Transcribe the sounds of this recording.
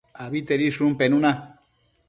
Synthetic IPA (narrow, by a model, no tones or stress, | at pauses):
aβit̪eɾiʂumpenuna